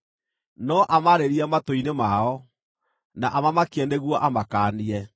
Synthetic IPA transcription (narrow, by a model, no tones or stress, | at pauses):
nɔʔamaɾeɾiamatoinemaɔ | naʔamamakeɛneɣwɔʔamakaːniɛ